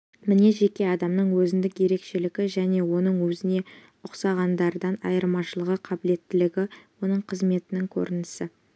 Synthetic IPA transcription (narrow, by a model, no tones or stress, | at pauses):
mɪne̞ʒe̞kʲe̞ɑd̪ɑmnəɴwɵzɪnd̪ɪkje̞ɾe̞kʃe̞lɪɡʲɪʒæne̞wo̞nəɴwɵzɪne̞ | ʊqsɑʁɑnd̪ɑɾd̪ɑnɑ̰jəɾmɑʃəlˠəʁəqʰɑbɪle̞t̪ːɪlɪɡʲɪwo̞nəɴqʰəzme̞t̪ɪnɪŋkʲʰɵ̰ɾɪnɪsɪ